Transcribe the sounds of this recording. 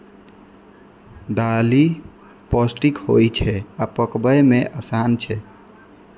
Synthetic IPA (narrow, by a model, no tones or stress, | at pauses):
d̪ali | pɔsʈikho̰jt͡ʃʰɛapəkbəjmeʔasant͡ʃʰɛ